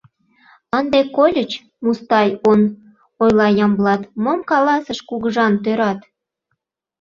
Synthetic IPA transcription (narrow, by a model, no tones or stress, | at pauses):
ənd̪ekolʲət͡ɕ | must̪ɑjon | ojlɑjɑmblɑt̪momkɑlɑsəʃkuɣəʒɑnt̪øɾɑt̪